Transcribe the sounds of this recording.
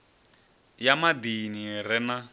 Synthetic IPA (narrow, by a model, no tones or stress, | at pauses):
jamabiniɾɛna